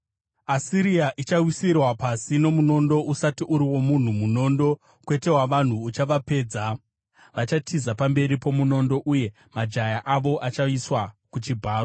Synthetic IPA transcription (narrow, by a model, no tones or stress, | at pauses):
asiɾiaʔit͡ʃawisirwapasino̞muno̞ndo̞ʔusatiʔuɾiwo̞mun̤umuno̞ːndo̞ | kwe̞te̞waʋan̤uːt͡ʃaʋape̞ːd͡za | ʋat͡ʃatʰizapambe̞ɾipo̞muno̞ndo̞ʔuje̞ | mad͡ʒajaʔaʋo̞ʔat͡ʃaiswakut͡ʃibʱaːro